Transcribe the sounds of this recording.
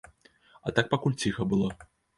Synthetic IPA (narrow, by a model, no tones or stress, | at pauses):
ɐt̪ak̚pakulʲt͡sʲixɐbɨlˠɔ